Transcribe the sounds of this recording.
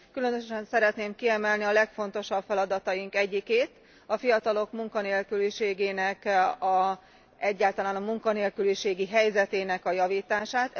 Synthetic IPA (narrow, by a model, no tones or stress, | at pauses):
kylø̞nøʃɛnsɛɾɛt̪neːmkiɛmɛlniɒlɛkfo̞n̪t̪o̞ʃɒbfɛlɒd̪ɒt̪ɒjiŋkɛɟːikeːt̪ | ɒfijɒt̪ɒlo̞kmuŋkɒneːlkyliʃeːɡeːnɛkɒ | ɛɟːaːlt̪ɒlaːnɒmuŋkɒneːlkyliʃeːɡiɦɛjzɛt̪eːnɛkɒjɒviːt̪aːʃaːt̪